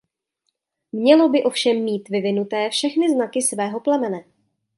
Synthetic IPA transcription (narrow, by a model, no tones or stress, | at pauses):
mɲɛlo̞bɪʔo̞fʃɛmːiːt̪vɪvɪnut̪ɛːfʃɛxnɪznakɪsvɛːɦo̞plɛmɛnɛ